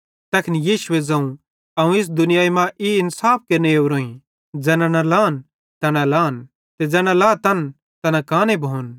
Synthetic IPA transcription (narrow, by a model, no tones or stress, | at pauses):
t̪ɛkʰɪnijiːʃʊed͡zɐ̃ũ | ɐũɪs̬d̪ʊnɪjaːimãʔiɪnsaːp̚ʰkeneuɾoːĩ | d͡zɛːnãnɐlaːn | t̪ɐnalaːn | t̪ed͡zɛːnãlaːt̪ɐn | t̪ɐnɐkaːnebʱoːn